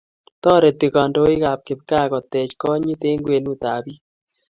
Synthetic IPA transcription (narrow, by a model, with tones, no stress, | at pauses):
tɔ˦ɾe˨ti˨ka˨ndo˦i˦kaː˨p̚kɪ˨p̚kaː˦kɔ˨t̪ɛ˨t͡ʃkɔ˦ɲi˦te˦ŋɡwe˨nu˦taː˨bi˦